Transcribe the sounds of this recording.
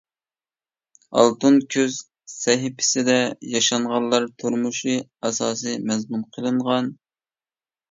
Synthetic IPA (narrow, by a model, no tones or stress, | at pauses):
ɑ̰lˠt̪unkʲʰøz̥ | sɛɦɪpʰɪ̥sɪd̪ɛjɑʃɑɴʁɑllˠːɑɾt̪ʰuɾmuʃɨɑsɑːsɨjmɛzmunqʰəlˠɨɴʁɑn